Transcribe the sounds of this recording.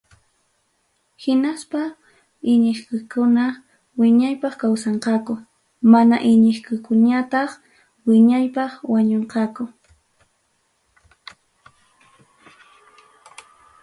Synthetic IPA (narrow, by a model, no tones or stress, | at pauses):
hɪnaspa | ɪɲɪχkʊkʊna | wɪɲajpɑχkawsɑɴqɑkʊ | manaʔɪɲɪχkʊkʊɲat̪ɑχ | wɪɲajpɑχwaɲoɴqɑkʊ